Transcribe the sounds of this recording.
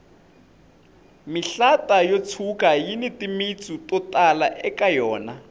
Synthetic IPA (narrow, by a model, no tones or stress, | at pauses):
miɬatʼajot͡sʰukʼajinitimit͡sʼutʼɔtʼalaʔɛkʼajɔːna